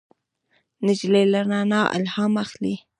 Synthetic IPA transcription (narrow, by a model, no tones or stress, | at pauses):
nɪd͡ʒlelanɑnɑʔa̰lhɑmaxli